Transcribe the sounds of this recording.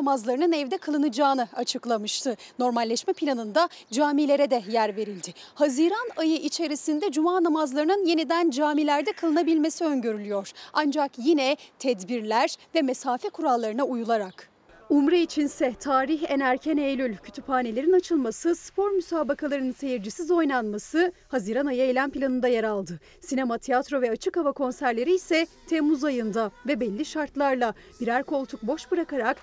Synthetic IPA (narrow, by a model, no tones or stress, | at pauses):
amazlˠaɾɯnɯnɛvd̪ɛkʰalˠɯnɯd͡ʒaːnɯat͡ʃʰɯklˠamɯʃt̪ʰɯno̞ɾmalʲːɛʃmɛpʰilʲanɯnd̪ad͡ʒaːmilʲe̞ɾɛd̪ɛjæɾve̞ɾilʲd̪ɪhaziɾanajɯʔit͡ʃʰe̞ɾisind̪ɛd͡ʒumaːnamazlˠaɾɯnɯnjenid̪ænd͡ʒaːmilʲæɾd̪ɛkʰalˠɯnabilʲme̞siø̞ɲɟø̞ɾylʲyjo̞ɾ̥and͡ʒakjinɛt̪ʰɛd̪biɾlʲæɾvɛmesaːfɛkʰuɾalˠːaɾɯnaujulˠaɾak | umɾait͡ʃʰinsɛt̪ʰaːɾiçenæɾcʰɛnejlʲylʲcʰy̥t̪ʰyphaːne̞lʲe̞ɾinat͡ʃʰɯlˠmasɯspʰo̞ɾmysaːbakʰalˠaɾɯnɯnse̞jiɾd͡ʒisizo̞jnanmasɯhaziːɾanajɯejlʲænpʰilʲanɯnd̪ajeɾalˠd̪ɯ | sinemat̪ʰiat̪ɾo̞vɛat͡ʃʰɯkhavakʰo̞nsæɾlʲe̞ɾiːsɛ | t̪ʰɛmːuzajɯnd̪avɛbɛlʲːiʃaɾt̪lˠaɾlˠa | b̥iɾæɾko̞lˠt̪ʰuk̚bo̞ʃbɯɾakaɾak